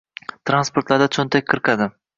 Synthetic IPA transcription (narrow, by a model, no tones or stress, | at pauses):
t̪ʰɾanspoɾt̪laɾd̪at͡ʃʰʊnt̪ʰak̚ʲqʰɨɾqad̪ɪ